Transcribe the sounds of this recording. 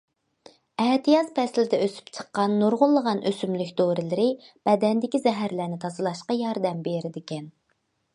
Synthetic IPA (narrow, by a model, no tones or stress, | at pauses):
ɛht̪ijɑzpʰɛslɪd̪ɛøsy̥pt͡ʃʰə̥qːɑnːoɾʁʊlˠːəʁɑnʔøsymlykʲd̪oɾɪlɪɾɪb̥ɛd̪ɛnd̪ɪkʲizɛɦæɾlæɾnɪt̪ʰɑzɨlˠɑʃqɑjɑɾd̪ɛmbeɾɪd̪ɪkʲɛn